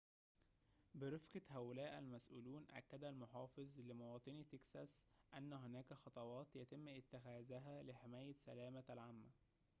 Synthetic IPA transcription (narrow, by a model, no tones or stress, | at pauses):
bɪɾefqɑhæʔʊlæːʔælmæsʔṵːluːnʔæ̰kːæd̪ælmoħɑːfɨzˤlɪmowɑːt̪ˤɨnit̪eksæsʔænːæɦonæːkæxɑt̪ˤɑwɑːt̪jæt̪ɪmːʔɪt̪ːɪxæːzæɦælɪħemæːjæsælæːmæælʕamːæ